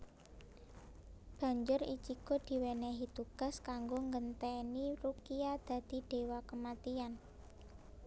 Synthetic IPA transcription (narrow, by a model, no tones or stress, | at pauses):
b̥a̤ɲd͡ʒʊrḭt͡ʃikod̪̥i̤wɛnɛɦit̪uɡ̥a̤skaŋɡoŋɡənt̪ɛniɾukiad̪̥ä̤d̪̥i̤ɖ̥e̤wakəmat̪ian